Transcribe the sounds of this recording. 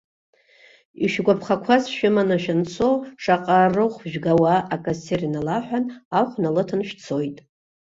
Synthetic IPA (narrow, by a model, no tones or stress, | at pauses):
iʃᶣɡʷapʰχakʷʰazʃᶣɪmanaʃᶣant͡sʰoʂʼaqʼarɨχʷʒᶣɡawaʔakʼaserinalaħʷᶣanaχʷnalɨtʰɨnʃᶣt͡sʰo̞jtʼ